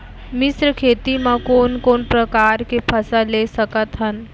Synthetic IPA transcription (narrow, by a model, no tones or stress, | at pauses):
mɪsɾkʰeːt̪imãkoːnkoːnpɾəkaːɾkepʰɐsaleːsəkət̪ɦən